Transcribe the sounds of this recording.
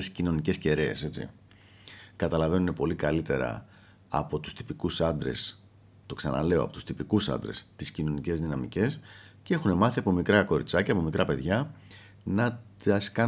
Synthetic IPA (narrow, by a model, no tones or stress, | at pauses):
scino̞nice̞sce̞ɾe̞ːse̞t͡sḭ | kɐt̪ɐlɐve̞nune̞po̞likɐlit̪e̞ɾɐ̰ | ɐ̰po̞t̪u̥st̪i̥pikusɐnd̪ɾe̞̰s | t̪o̞ksɐ̰nɐ̰le̞oɐpo̞t̪u̥st̪ipikusɐ̰nd̪ɾe̞̰st̪iscino̞nice̞zðinɐmḭce̞scee̞xune̞mɐθiɐpo̞mikɾɐko̞ɾḭt͡sɐcɐːpo̞mikɾʔɐpe̞ðʝɐ | nɐt̪ɐskɐ